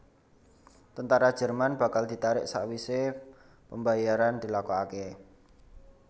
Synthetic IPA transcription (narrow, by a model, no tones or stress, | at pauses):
t̪ənt̪aɾad̥ʒ̥ə̤rmanb̥a̤kald̪̥i̤t̪aɾɪ̰ʔsa̰ʔwise | pəmbajaɾand̪̥i̤lakɔake